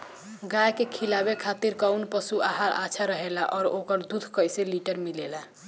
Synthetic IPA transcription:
ɡajkekʰilabekʰat̪iɾkawnpəsuaɦaɾa̰t͡ʃʰaɾəɦelaʔɔːɾokəɾd̪ud̪ʱkəjseliʈəɾmilela

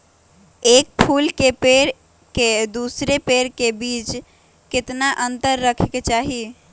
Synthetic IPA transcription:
ek̚pʰulkepeɾ | ked̪usɾepeɾkebit͡ʃ | ket̪naʔənt̪əɾːəkʰket͡ʃaɦi

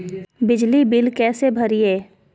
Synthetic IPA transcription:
bɪd͡ʒlibɪlkɛːsebʱɐɾieː

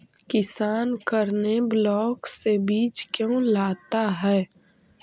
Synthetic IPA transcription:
kɪsaːnkəɾneblɔːksebiːt͡ʃkjõːlaːt̪aɦɛː

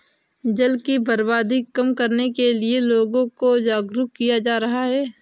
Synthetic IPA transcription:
d͡ʒɐlkibəɾbaːd̪ikɐmkɐɾnekelieloːɡõkod͡ʒaːɡɾukijad͡ʒaːɾɐɦaɦɛː

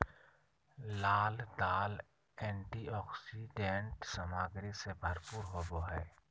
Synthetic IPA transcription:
laːld̪aːl | ɛ̃ːɳʈiɔːksiɖeːɳʈsəmaːɡɾesebʱəɾpuːɾɦoːboɦɛː

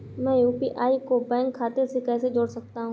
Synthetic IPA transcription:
mɛ̃ːjuːpiʔaːikobɛ̃ːŋkʰːaːt̪esekɛːsed͡ʒoːɽsɐk̚t̪aɦũː

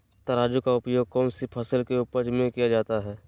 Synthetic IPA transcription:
t̪ɐɾaːd͡ʒukaʊpjoːɡ̚kɔːnsipʰəsəlkeʊpəd͡ʒmẽkijad͡ʒaːt̪aɦɛː

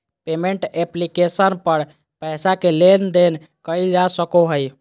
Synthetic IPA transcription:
pemeɳʈeplikesənpəɾ | pəɪsakelend̪en | kəjld͡ʒasəkoɦəj

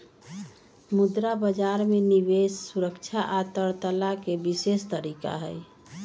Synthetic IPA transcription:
mud̪ɾabəd͡ʒaɾmeniʋesːuɾəkt͡ʃʰaʔat̪əɾt̪əlakebisest̪əɾika̰ɦəj

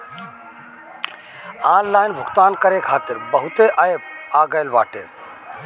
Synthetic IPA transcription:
aːnlaːɪnbʱʊɡt̪aːnkɐɾekʰaːt̪ɪɾbɐɦut̪eʔajpaːɡəjlba̰ːʈḛː

